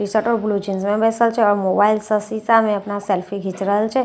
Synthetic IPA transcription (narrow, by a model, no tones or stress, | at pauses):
isəʈoblud͡ʒinsmẽbɛsəlt͡ʃʰeɔɾmobailsəsisamẽəpnaselfʰiɡʱit͡ʃɾəlt͡ʃʰe